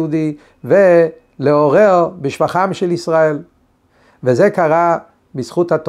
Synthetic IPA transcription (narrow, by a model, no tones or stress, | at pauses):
ud̪i | ve | leoʁeʁbɪʃvaχamʃelisʁael | vezekaʁa | bisχut̪hat̪